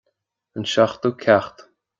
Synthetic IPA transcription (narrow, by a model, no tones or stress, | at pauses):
ənʃaxt̪okʰaxt̪